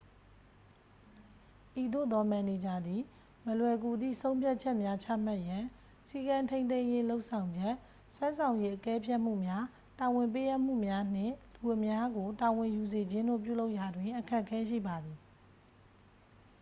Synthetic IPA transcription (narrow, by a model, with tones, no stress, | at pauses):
ʔi˨d̪o̰˦˨d̪ɔ˦mã˨ne˨d͡ʑa˨d̪i˨ | məlwɛ˨ɡu˨d̪ðḭ˦˨sʰõ˦ʊ̃mpʰja˦ʔt͡ɕʰɛ˦ʔmja˦t͡ɕʰa̰˦˨m̥a˦˨ʔjã˨ | si˦kã˨ntʰẽ˦nt̪̬ẽ˦je˦lo˦ʊʔsʰã˨ʊ̃ɲd͡ʑɛ˦ʔ | swã˦sʰã˨ʊ̃je˦ʔəkɛ˦pʰjɛ˦ʔm̥ṵ˦˨mja˦ | ta˨wɪ̃˨mpe˦ʔa˦ʔm̥ṵ˦˨mja˦n̥ɪ̰̃˦˨lu˨ʔəmja˦ɡo˨ta˨wɪ̃˨ju˨ze˨d͡ʑɪ̃˦nd̪o̰˦˨p̬jṵ˦˨lo˦ʊʔja˨dwɪ̃˨ʔəkʰɛ˦ʔkʰːɛ˦ʃḭ˦˨ba˨d̪i˨